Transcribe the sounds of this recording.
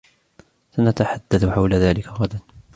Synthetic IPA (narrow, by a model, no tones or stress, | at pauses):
sanat̪aħad̪ːaθħawlaðaːlɪkaɣad̪an